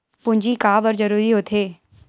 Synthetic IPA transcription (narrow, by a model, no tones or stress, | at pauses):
pʊ̃ɲd͡ʒikaːbəɾd͡ʒəɾuːɾiɦoːt̪ʰeː